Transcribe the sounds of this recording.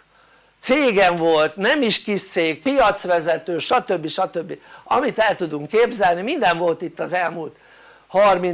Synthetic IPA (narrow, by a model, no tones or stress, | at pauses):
t̪seːɡɛɱvo̞lt̪nɛmiʃkiʃt̪seːk̚pijɒt̪sʋɛzɛt̪øːʃɒt̪ø̞bːiʃɒt̪ø̞bːiɒmit̪ɛlt̪ud̪uŋkːeːbzɛlnimind̪ɛɱvo̞lt̪it̪ːɒzɛlmult̪ | hɒrmin